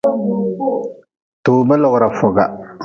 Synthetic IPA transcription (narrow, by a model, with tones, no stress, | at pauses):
toː˨mɨ˦lɔ˨ɣʊ˨ɾa˨fʊ˨ɡa̰˨